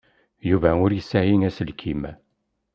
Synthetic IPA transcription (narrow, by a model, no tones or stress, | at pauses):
juvæʊɾjəsːæjiŋæsəlkʰim